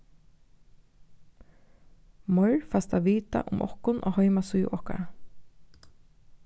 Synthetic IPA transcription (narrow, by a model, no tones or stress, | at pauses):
mɔɹfast̪aʋiːt̪a̰ʔʊmʔɔ̰hkʊnʔɔ̰ːhɔjmasuj̰ʔɔhka̰ɾa